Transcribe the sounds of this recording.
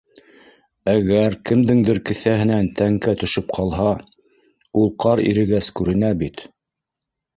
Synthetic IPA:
æɣæɾkɘ̆md̪ɘŋd̪ɘɾkɘ̆θæɦɘ̆nænt̪æŋkæt̪ɵ̆ʃɵp̚qʰɑlˠɦɑ | ulˠqɑɾḭɾɘ̆ɡæskʉɾɘ̆næbit̪

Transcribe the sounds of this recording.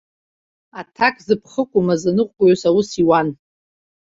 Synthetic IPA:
atʰakʼzɨpʰχəkʷʼʊmazanɨqʷʼkʷʼjosawusiwan

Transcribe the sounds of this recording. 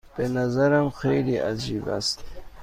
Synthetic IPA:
b̥enazaɾamxejɾiʔad͡ʒiba̰st̪

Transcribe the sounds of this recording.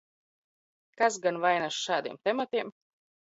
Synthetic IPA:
kasɡanvajnaʃʃaːd̪iɛmt̪ɛmat̪iɛm

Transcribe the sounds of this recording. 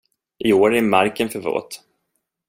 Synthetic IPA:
ʔɪoːɾæɾmaɾkənfœɾvo̰ːt̪

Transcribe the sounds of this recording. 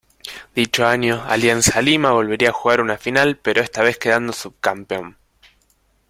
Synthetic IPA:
d̪̥it͡ʃoaɲjoa̰ljansalimaβo̞lβe̞ɾiaːxuɣaɾunafinalpe̞ɾo̞e̞st̪aβ̞e̞ske̞ð̞and̪osuβkampeo̞n

